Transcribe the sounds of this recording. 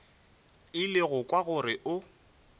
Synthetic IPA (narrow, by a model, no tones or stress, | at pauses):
ɪlɪɣʊkʼwaɣʊrɪʔʊ